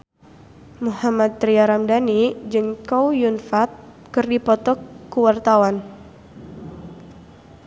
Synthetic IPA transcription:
muhamat̪̚ːɾiaɾamdanid͡ʒəŋkɔwjunfat̪̚ | kɨrdipɔt̪ɔkːuwart̪awan

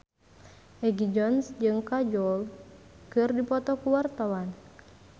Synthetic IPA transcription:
ʔɛɡid͡ʒɔnsd͡ʒɨŋkad͡ʒɔlkɨrdipɔt̪ɔkuwart̪awan

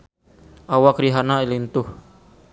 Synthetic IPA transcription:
ʔawakɾiɦanailint̪ʊh

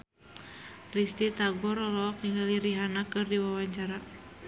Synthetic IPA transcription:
rist̪it̪aɡɔɾɔlɔk̚niŋɡaliɾiɦanakɨrdiwawaɲt͡ʃaɾa

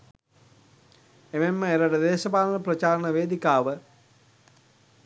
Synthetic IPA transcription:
ememːəeɾəʈəd̪eːʃɐpaːlənəprɐt͡ʃaːɾɐnəʋeːd̪ikaːʋə

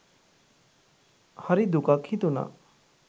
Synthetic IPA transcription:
hɐɾid̪ukakʰit̪una̰

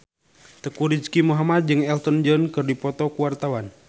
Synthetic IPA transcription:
t̪əkuɾid͡ʒkimuɦamat̪̚d͡ʒɨŋɛlt̪ɔnd͡ʒɔnkɨrdipɔt̪ɔkuwart̪awan

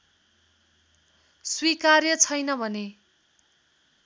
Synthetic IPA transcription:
swikarjʌt͡sʰʌjnʌbʱʌne

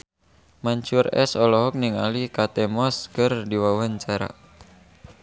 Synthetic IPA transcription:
maɲt͡ʃurɛ̰sɔlɔɦɔk̚niŋalikat̪ɛmɔskɨrdiwawaɲt͡ʃaɾa̰

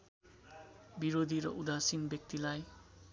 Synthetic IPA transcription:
biɾod̪ʱiɾʌʔud̪asinbjʌk̚t̪ilaj

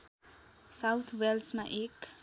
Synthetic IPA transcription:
sawt̪ʰwɛlsmaʔek

